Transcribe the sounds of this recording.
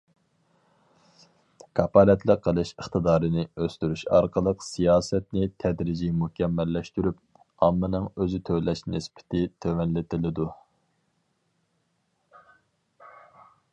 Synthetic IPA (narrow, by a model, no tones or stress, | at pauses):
kʰɑpɑlɛt̪ʰlˠəqʰːəlˠɨʃəχt̪ɨd̪ɑːɾɨnɪøst̪yɾyʃɑɾqəlˠəqsijɑːsɛt̪nɪt̪ʰɛd̪ɾɪd͡ʒimukʲʰɛmːɛlːɛʃt̪yɾyp̚ | ɑmːɨnɨŋøzɪt̪ʰølɛʃnɪspɪ̥t̪ʰɪt̪ʰømɛnlɪt̪ɪlɪd̪u